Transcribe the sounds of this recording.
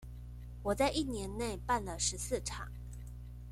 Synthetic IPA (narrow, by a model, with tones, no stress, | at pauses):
wɔ˨˩t͡sa˥˧ɪʔi˥˩njɛ˧˦˥nne˥˧ɪpa˥˩nlə˩ʂɻ̩˧˥sɹ̩˥˩ʈ͡ʂʰɑ̰˨˩˦ŋ